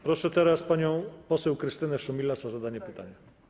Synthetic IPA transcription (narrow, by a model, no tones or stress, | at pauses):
pɾɔʂɛt̪ɛɾaspaɲɔ̃w̃pɔsɛwkɾɘst̪ɘnɛfʂɔmʲilːasazad̪aɲɛpɘt̪a̰ɲɛ